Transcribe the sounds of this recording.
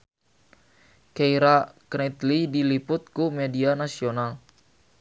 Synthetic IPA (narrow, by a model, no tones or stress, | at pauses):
kɛiɾaknɛt̪lidilipʊt̪̚kumɛdianasional